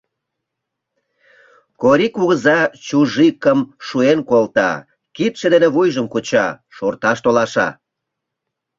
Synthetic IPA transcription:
koɾikuɣəzɑt͡ɕuʒikəmʃuenkolt̪ɑ̰ | kit̪ʃĕd̪eneβujʒəmkut͡ɕɑ̰ʃort̪ɑʃt̪olɑʃɑ̰

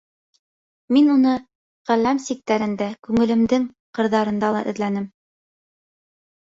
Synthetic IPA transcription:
minunɤ | ʁælæmsik̚t̪æɾɘ̆nd̪ækʉŋɘ̆lɘ̆md̪ɘŋ | qɤ̆ɾðɑɾɤ̆nd̪ɑlˠɑ̰ʔɵ̆ðlænɘm

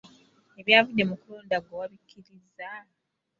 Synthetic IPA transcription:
e̞βjaːvudːe̞mukuloːndaɡwowaβikʰːiɾiza

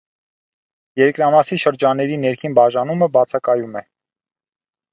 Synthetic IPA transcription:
jɛɾkɾɑmɑsiʃəɾd͡ʒɑnːɛɾinɛɾkʰinbɑʒɑnuməbɑt͡sʰɑkɑjumɛ

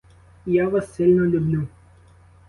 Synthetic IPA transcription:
jaʋasːʲilʲnɔlʲublʲu

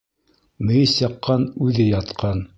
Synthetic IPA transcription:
mɘ̆jɘsjɑqːɑnʉðɘjɑt̪qɑn

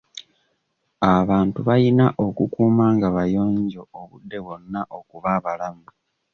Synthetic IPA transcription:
aβaːntuβajinaʔokukuːmaːŋɡaβajo̞ːɲɟo̞ːβṵdːe̞βwo̞nːaʔo̞kuβaβalamu

